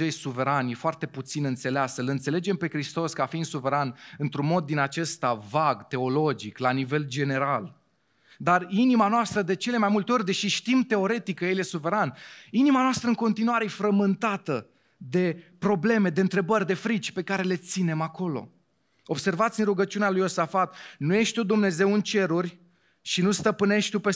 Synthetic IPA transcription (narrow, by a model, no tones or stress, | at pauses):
ejsuve̞ɾanje̞foart̪e̞put̪sinɨnt̪se̞leasəlɨnt̪se̞le̞d͡ʒe̞mpe̞kɾist̪o̞skəafind̪suve̞ɾanɨnt̪ɾunmo̞d̪ːinat͡ʃe̞st̪avaɡt̪e̞o̞lo̞d͡ʒiklanive̞ld͡ʒe̞ne̞ɾal | d̪arinimanoast̪ɾəd̪e̞t͡ʃe̞le̞majmult̪eo̞rʲd̪e̞ʃiʃt̪imt̪e̞o̞ɾe̞t̪ikəjeljesuve̞ɾaninimanoast̪ɾəɨŋko̞nt̪inuaɾejefɾəmɨnt̪at̪ə | d̪e̞pɾo̞ble̞me̞d̪e̞ɨnt̪ɾe̞bərʲd̪e̞fɾit͡ʃʲpe̞kaɾe̞le̞t̪sine̞mako̞lo̞̰ | o̞bse̞rvat̪sʲɨnruɡət͡ʃiunealujo̞safat̪nuje̞ʃt̪t̪ud̪umne̞ze̞wɨnt͡ʃe̞ɾurʲ | ʃinust̪əpɨne̞ʃt̪t̪upe̞